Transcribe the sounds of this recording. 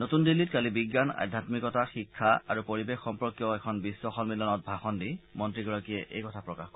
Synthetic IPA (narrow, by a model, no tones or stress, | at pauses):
notundilːitkalibiɡːana̰dʱːatmikɔtaxikʰːaa̰ɹupoɹibexxɔmpɹɔkjɔɛkʰɔnbisːwɔxɔlmilɔnɔt̚bʱaxɔndimɔntɹiɡɔɹakiɛʔḛjkɔtʰapɹɔkaxkɔ